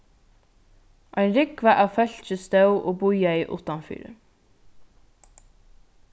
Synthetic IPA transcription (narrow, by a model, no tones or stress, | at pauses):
ʔɑɪnɾɪkʋɑːʔɑːfœçt͡ʃəst̪ɑʉʔoːbʊʏɑiːʔʊ̰t̪ɑnfy̰ːɾə̰